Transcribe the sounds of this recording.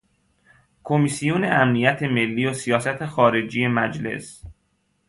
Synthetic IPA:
kʰomisijuneʔæmnijæt̪ʰeme̞lːiːosijɒːsæt̪ʰexɒːɾe̞d͡ʒiːjemæd͡ʒle̞̰s

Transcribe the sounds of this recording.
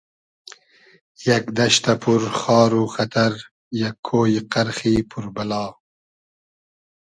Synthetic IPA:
jɐkd̪ɐʃt̪ɐpʰuɾxɑːɾuxɐt̪ʰɐɾ | jɐkʰːoːjiqɐɾxiːpʰuɾbɐlɑː

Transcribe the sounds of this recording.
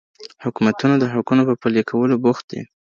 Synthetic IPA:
hʊkumat̪unad̪əɦʊkunopəpəlekʰawəlobʊxt̪̚d̪ḭ

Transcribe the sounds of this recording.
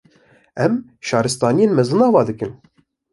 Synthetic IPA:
ɛm | ʃɑːɾɨst̪ɑːnijeːnmɛzɨnɑːvɑːd̪ɨkɨn

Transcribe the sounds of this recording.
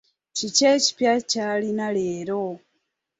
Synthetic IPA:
cice̞ːci̥pjacaːlinaleːɾo

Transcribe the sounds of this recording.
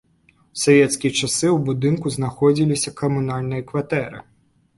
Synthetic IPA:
sɐvʲɛt̪skʲit͡ʃasɨwbud̪ɨnkʊznaxɔd͡zʲilʲisʲɐkɐmʊnalʲnɨjɐkʋat̪ɛɾɨ̰

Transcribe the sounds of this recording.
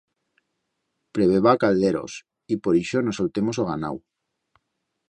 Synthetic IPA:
pɾeβeβakalðeɾo̰s | ipoɾiʃonosolt̪emosoɣ̞ana̰w

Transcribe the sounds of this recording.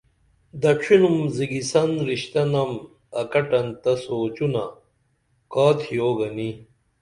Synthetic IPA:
d̪ɐʈ͡ʂʰinumziɡisɐnɾiɕt̪ɐnɐm | ɐkɐʈɐnt̪ɐsoːt͡ɕunɐ | kaːt̪ʰijoːɡɐni

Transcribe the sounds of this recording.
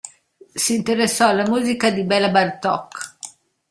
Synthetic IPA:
siːnt̪eɾesːɔalːamuːzikad̪ibɛlːabart̪ɔ̰kː

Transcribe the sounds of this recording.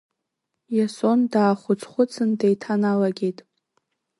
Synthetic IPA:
jaso̞ndaːχʷʊt͡sʰʼχʷʊt͡sʰɨndejtʰanalaɡʲe̞jtʼ

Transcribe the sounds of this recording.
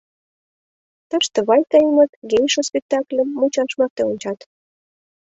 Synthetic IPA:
t̪əʃt̪ə̆βɑjkɑjəməkɡejʃospʲek̚t̪ɑklʲəmːut͡ɕɑʃmɑr̚t̪eonʲt͡ɕɑt̪

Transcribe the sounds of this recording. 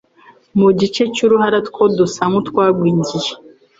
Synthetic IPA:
muɟit͡ʃecuɾuhaɾatkʰodusamut̪kwaːɡwiːɲɟije

